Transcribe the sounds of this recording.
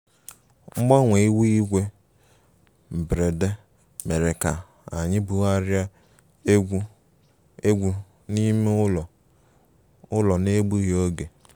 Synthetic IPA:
ŋ͡m̩˦ɡ͡ba˦ŋʷe˨i˦wi˦ɡʷe˦ | m̩˨bɾe˨de˦ | me˨ɾe˨ka˨ | a˨ɲɪ˦bu˨a˦ɾja˦ | e˦ɡʷu˦ | e˦ɡʷu˦ | ni˦m˦˨ | ʊ˦lɔ˨ne˦ɡ͡bu˦ɦi˨˦o˦ɡe˨

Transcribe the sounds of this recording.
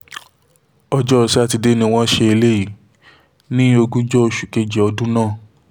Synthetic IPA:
ɔ˧d͡ʒɔ˦˨si˦a˦˧ti˧de˦nĩ˧w̃ɔ̃˦ʃe˧e˧le˦ji˨ | nĩ˦o˧ɡũ˦d͡ʒɔ˦o˧ʃu˨ke˧d͡ʒɛ˨ɔ˧dũ˦nãː˦˨

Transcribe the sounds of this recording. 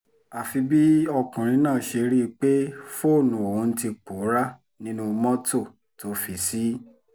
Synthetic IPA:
a˨fi˧bi˦ɔ˧kũ˨ɾ̃ĩ˧˦nãː˦˨ʃe˧ɾi˦˧k͡pe˦fo˦˨nũ˨o˨ũ˨˧n̩˦ti˧k͡po˨˦ɾa˦ | nĩ˦nũ˦˧mɔ̃˦to˦˨ | to˨˦fi˨si˦

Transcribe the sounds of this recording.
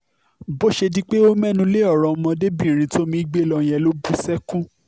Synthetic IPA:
bo˦ʃe˧dĩ˦k͡pe˦o˦mɛ̃˦nũ˧˦le˦ɔ˦˨ɾ̃ɔ̃˨˧mɔ̃˧de˦bĩ˦˨ɾ̃ĩ˨˧tʰo˦mĩ˧i˦ɡ͡be˦˨lɔ˧j̃ɛ̃˧˨lo˦bu˦sɛ˦kũ˦

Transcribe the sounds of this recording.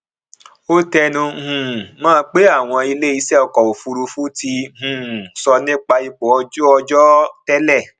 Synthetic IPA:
o˦tɛ˧nũ˧hũ˨mãː˦˧k͡pe˦a˦˨w̃ɔ̃˧i˧le˦i˧˦sɛ˦˨ɔ˧kɔ˨o˨fu˧ɾu˧fu˦ti˧˦hũ˨sɔ˧nĩ˦k͡pa˧i˧bɔ˨˦ɔ˧d͡ʒɔ˧d͡ʒɔ˦tɛ˦lɛ˦˨

